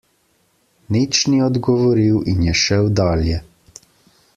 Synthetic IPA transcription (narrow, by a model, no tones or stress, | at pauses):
nit͡ʃniɔd̪ɡɔʋɔɾiwinjɛʃɛwd̪aːljɛ